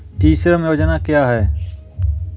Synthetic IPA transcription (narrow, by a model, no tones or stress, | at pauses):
t̪iːsɾəmjoːd͡ʒnaːkjaːɦɛː